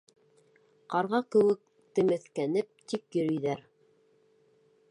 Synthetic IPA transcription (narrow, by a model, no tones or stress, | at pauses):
qɑɾʁɑkɘ̆wɘk̚ | t̪ɘ̆mɘ̆θkænɘp̚t̪ikjɵ̆ɾɵ̆jðæɾ